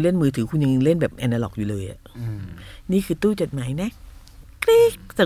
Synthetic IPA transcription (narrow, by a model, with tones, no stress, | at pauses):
le˥˩nmɯː˧t̪ʰɯː˩˦kʰu˧nja˧ŋ˧le˥˩nbɛː˨˩p̚ʔɛ˧na˧lɔ˨˩k̚juː˨˩lɤː˧jʔa̰˨˩ʔ | niː˥˩kʰɯː˧t̪uː˥˩t͡ɕo˨˩t̪̚maː˩˦jna˦˥ | kɾiː˥˩k̚sa˨˩